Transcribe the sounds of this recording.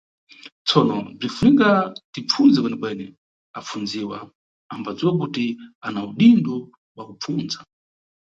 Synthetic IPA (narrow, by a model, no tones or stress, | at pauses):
t͡sʰɔnɔb͡ʐifunikatip͡fund͡zɛkwɛnɛkwɛnɛ | ap͡fund͡ziwa | ambad͡ziwak̬utianauɗindɔ | wakup͡fuːnd͡za